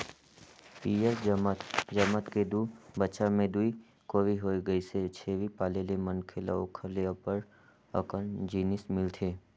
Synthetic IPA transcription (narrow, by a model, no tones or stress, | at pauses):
piːjəɾ | d͡ʒəmət̪ked̪uːbəʃamẽd̪ui | koːʋiɦoːiɡəiset͡ʃʰeːʋipaːlelemənkʰela̰okʰəleapəɾ | ə̰kənd͡ʒiːnɪsmɪlt̪ʰeː